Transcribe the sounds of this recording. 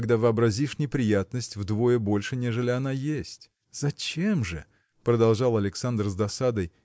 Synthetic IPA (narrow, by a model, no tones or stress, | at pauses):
ɡd̪avəɐbɾɐzʲiʂnʲɪpɾʲɪjat̪̚nəsʲtʲvd̪vo̞jəbo̞lʲʂɨnʲe̞ʐɨlʲɪɐnajesʲtʲ | z̥ɐt͡ɕemʐɨ | pɾəd̪ɐlˠʐɑlˠɐlʲɪksand̪rzd̪ɐsad̪əj